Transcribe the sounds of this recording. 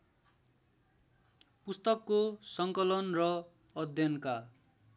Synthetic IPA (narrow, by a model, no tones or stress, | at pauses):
pust̪ʌkːosʌŋkʌlʌnrʌ | ʌd̪ʱjʌnka